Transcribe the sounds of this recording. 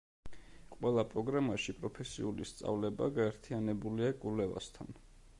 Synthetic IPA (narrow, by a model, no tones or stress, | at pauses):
qʼwɛlˠapʼɾɔɡɾamaʃipʼɾɔpʰɛsḭulist̪sʼa̰vlɛba̰ɡaɛɾt̪ʰianɛbuliakʼulɛva̰st̪ʰa̰n